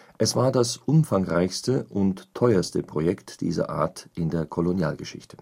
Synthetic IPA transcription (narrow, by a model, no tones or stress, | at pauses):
ʔɛsv̥aːɐdasʔʊmfaŋʁaɪçstəʔʊntʰːɔʏɐstəpʁ̥ojɛktd̥ḭːzɐ̰ʔa̰ːɐtʔɪndeːɐkʰolonja̰ːlɡəʃɪ̰çtʰə̥